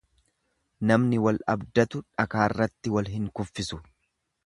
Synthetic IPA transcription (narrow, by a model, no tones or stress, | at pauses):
nɐmnɪwɐlɐbd̪ɐt̪ʊᶑɐkaːrːɐt̪ːɪwɐlɦɪŋkʊfːɪsʊ